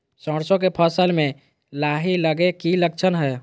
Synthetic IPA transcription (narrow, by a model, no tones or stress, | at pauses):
sə̃ɽsõkepʰəsəlmẽ | laɦiləɡekiləkt͡ʃʰənɦɛ